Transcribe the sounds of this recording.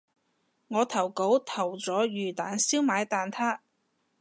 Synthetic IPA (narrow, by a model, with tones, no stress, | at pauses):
ŋɔː˨˧t̪ʰɐ˨˩wko˨˥wt̪ʰɐ˨˩wt͡sɔː˨˥jyː˨˩t̪aː˨nsiː˥wmaː˨˧˥jt̪aː˨nt̪ʰaː˥